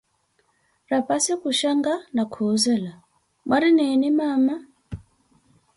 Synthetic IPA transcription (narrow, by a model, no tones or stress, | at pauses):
ɾapasɛkuʃaŋɡanakʰɔzɛla | mwaɾinɛnimama